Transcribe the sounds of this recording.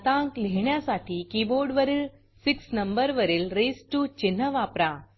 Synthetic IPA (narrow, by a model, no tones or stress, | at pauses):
t̪ãŋkleɳjasaʈʰiːkiboɾɖʋəɾiːl | siksnəmbəɾʋəɾiːlɾesʈut͡ɕin̤ːəʋapɾa